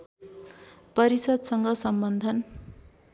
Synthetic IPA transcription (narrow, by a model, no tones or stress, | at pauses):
pʌɾisʌd̪sʌŋɡʌsʌmbʌnd̪ʱʌn